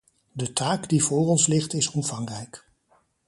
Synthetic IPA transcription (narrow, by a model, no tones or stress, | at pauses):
dətaːkdivʊːrɔnslɪχtɪsɔmvɑŋrɛjk